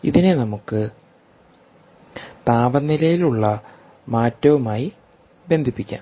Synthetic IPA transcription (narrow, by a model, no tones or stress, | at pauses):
ḭðine̞nɐmukːɨ | t̪aːbɐnːilɐjiluɭːɐ | maːtːɐʋumaːji | be̞nd̪ʱipːikʲːa̰ːm